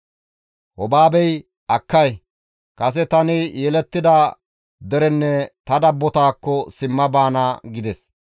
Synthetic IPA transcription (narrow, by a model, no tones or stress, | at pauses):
hɔbaːbɛj | ɐkːɐj | kɐs̬ɛt̪ɐnɪjɛlɛt̪ːɪd̪ɐ | d̪ɛɾɛnːɛt̪ɐd̪ɐbːɔt̪aːkːɔsɪmːɐbaːnaːɡɪd̪ɛs